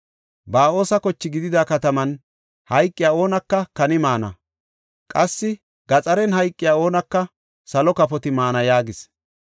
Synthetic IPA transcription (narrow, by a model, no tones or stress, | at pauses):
baːo̞ːsɐkɔt͡ʃːɪɡɪd̪ɪd̪akɐt̪ɐmɐn | hɐjkʼːɪjaːo̞ːnɐkːɐkɐnɪmaːnɐ̰ | kʼɐsːɪ | ɡ̥ɐt͡sʼɐɾɛnɦɐjkʼːɪjaːo̞ːnɐkːɐ | sɐlɔkɐpɔt̪ɪmaːnɐjaːɡɪs